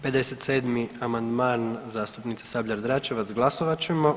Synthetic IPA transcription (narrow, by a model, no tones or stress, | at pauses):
pe̞d̪eset̪seːd̪miamand̪maːnzaːst̪upnit̪sesabʎʲaɾd̪ɾat͡ʃeʋat̪sɡlˠasoʋat͡ʃema